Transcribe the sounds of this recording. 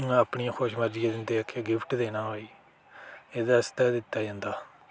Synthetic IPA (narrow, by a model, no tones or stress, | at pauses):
apɳiːãːkʰoːʃməɾd͡ʒɪãːd̪ɪnd̪eːəkʰːeɡɪpʰʈd̪eːnaːɦoːiː | eːd̪aəst̪aːd̪ɪt̪ːaːd͡ʒãːnd̪aː